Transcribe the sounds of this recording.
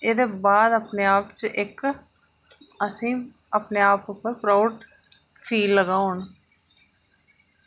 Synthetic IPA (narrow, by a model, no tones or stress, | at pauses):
eːd̪eːbaːd̪əpneːaːpt͡ʃʔɪk | əsĩː | əpneːaːpʊpːəɾpɾaːʊɖ | fʰiːlːəɡãːoːn